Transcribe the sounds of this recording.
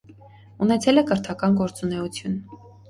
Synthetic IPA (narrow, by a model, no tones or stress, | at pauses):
unɛt͡sʰɛlɛkəɾt̪ʰɑkɑnɡɔɾt͡sunɛut͡sʰjun